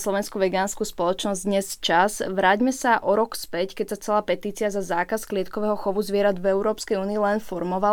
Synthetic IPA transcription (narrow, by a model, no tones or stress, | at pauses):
slˠɔʋɛnskuʋɛɡaːnskuspɔlɔt͡ʃnɔzd̪ɲɛst͡ʃaz̥ʋɾaːɟmɛsaʔɔɾɔkspɛckɛcsat͡sɛlaːpɛt̪iːt͡siazazaːkasklɪɛt̪̚kɔʋɛːɦɔxɔʋuzʋɪɛɾad̪vɛʊɾɔːpskɛjuːniilɛnfɔɾmɔʋa